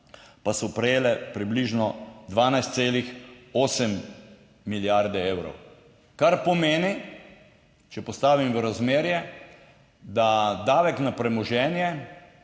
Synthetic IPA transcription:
pasɔpɾɛjeːlɛpɾibliʒnɔd̪ʋaːnajst̪seːlixoːsɛmː | iljaɾd̪ɛeːwɾɔ̰w | kaɾpɔmeːni | t͡ʃɛpɔst̪aːʋimʋəɾazmeːɾjɛ | d̪ad̪aːʋɛknapɾɛmɔʒɛːnjɛ

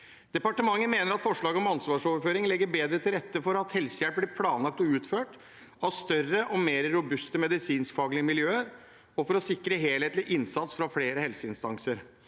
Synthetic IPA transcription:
d̪̥ɛpɑʈəmɑŋːənmeːnəɾɑt̪fɔʂɭɑːɡəɔmɑnsʋɑːʂɔʋəɾføːɾɪŋlɛɡːəɾbeːd̪ɾət̪ʰɪlɾɛt̪ːəfɔɾɑt̪hɛlsəjæɽp̚blɪɾpʰlɑːnlɑk̚t̪ɔʉːt̪føːʈ | ɑʋst̪œrəʔɔmeːɾɾʊbʉst̪əmɛd̪ɪsiːnsfɑːɡlɪəmɪljøːəɾ | ɔfɔɾɔsɪkːɾəɦeːlheːt̪lɪʔɪnsɑt̪sfɾɑfleːɾəhɛlsəɪnst̪ɑŋsəɾ

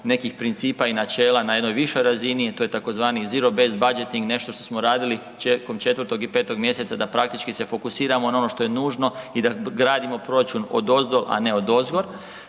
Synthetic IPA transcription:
ne̞kixpɾint̪siːpainat͡ʃe̞ːlanajed̪nojʋiʃo̞jɾazinit̪oːje̞t̪ako̞zʋaːniziɾo̞be̞st̪̚bad͡ʒe̞t̪iŋɡne̞ʃt̪o̞ʃt̪o̞smoɾaːd̪ili | t͡ʃeko̞mt͡ʃe̞t̪ʋəɾt̪o̞ɡipe̞ːt̪o̞ɡmje̞se̞t̪sad̪apɾak̚t̪it͡ʃkise̞fo̞kusiːɾamo̞nao̞no̞ʃt̪o̞je̞nuːʒno̞id̪aɡɾaːd̪imo̞pɾo̞ɾat͡ʃuno̞̰d̪o̞zd̪olʔa̰ne̞o̞d̪o̞zɡo̞ɾ

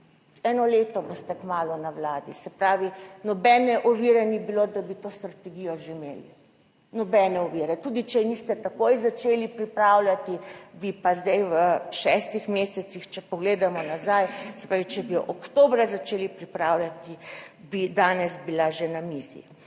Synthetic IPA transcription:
ɛnɔleːt̪ɔbost̪ɛkmaːlɔnawlaːd̪isɛpɾaːʋinɔbɛːnɛʔuʋiːɾɛnibilod̪abit̪oːst̪ɾat̪ɛɡijɔʒeimḛːlḭ | nɔbɛnɛɔʋiɾɛt̪ud̪it͡ʃɛnist̪ɛt̪akoːjzat͡ʃeːlipɾipɾaːwlʲjat̪ibipazd̪ɛjʋəʃɛst̪ixmeːsɛt̪sixt͡ʃɛpɔɡleːd̪amɔnazajsɛ̥pɾaːʋit͡ʃɛbiɔʔɔkt̪oːbɾazat͡ʃeːlipɾipɾaːwlʲjat̪ibid̪aːnɛzbilaʒenamizḭ

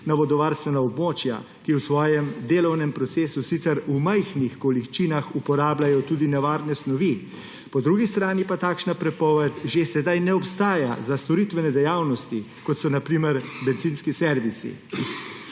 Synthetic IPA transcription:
naʋɔd̪ɔʋaːɾst̪ʋɛnaɔbmoːt͡ʃja̰ | kiwsʋɔːjɛmd̪eːlɔwnɛmpɾɔt̪seːsusit̪sɛɾumajxnixkolikt͡ʃiːnaxupɔɾaːblajɔt̪uːd̪inɛʋaːɾnɛsnɔʋi | pɔd̪ɾuːɡist̪ɾaːnipat̪aːkʃnapɾɛpɔʋɛt̪ʒesɛd̪ajnɛɔpst̪aːjazast̪ɔɾit̪ʋɛnɛd̪ɛjawnɔst̪i | kɔt̪sɔnapɾiːmɛɾbɛnt̪zinskisɛɾʋisḭ

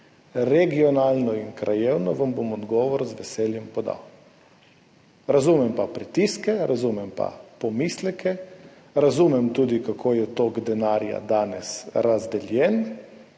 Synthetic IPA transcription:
ɾɛɡiɔnaːlnɔinkɾʔajewnɔʋambomɔd̪ɡɔːʋɔɾzʋɛsɛːljɛmpɔd̪a̰w | ɾazumɛmpapɾit̪iskɛɾʔazumɛmpa̰pɔmiːslɛkʰɛ | ɾazumɛmt̪uːd̪ikakʰoːjɛt̪oːɡd̪ɛnaːɾja̰d̪aːnɛsɾazd̪ɛljɛn

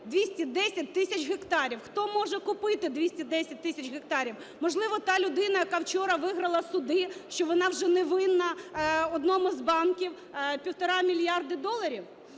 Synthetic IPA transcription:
d̪ʲʋʲisʲtʲid̪ɛsʲɐt̚ʲt̪ɪsʲɐt͡ʃɦekt̪ɑɾʲiwxt̪ɔmɔʒɛkʊpɪt̪ɪd̪ʋʲisʲtʲid̪ɛsʲɐt̚ʲt̪ːɪsʲɐt͡ʃɦek̚t̪ɑɾʲiw | mɔʒlˠɪʋɔt̪ɑlʲʊd̪ɪnɐjɐkɑwt͡ʃɔɾɐʋɪɦɾɐlˠɐsʊd̪ɪʃt͡ʃɔʋɔnɑwʒɛnɛʋɪnːɐɔd̪nɔmʊzbɑnkʲiw | pʲiwt̪ɔɾɑmʲilʲjɑrd̪ɪd̪ɔlˠɐɾʲiw

